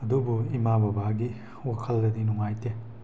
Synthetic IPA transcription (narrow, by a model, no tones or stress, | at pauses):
ɐdubuimabɐbaɡi | wakʰɐldɐdinuŋajte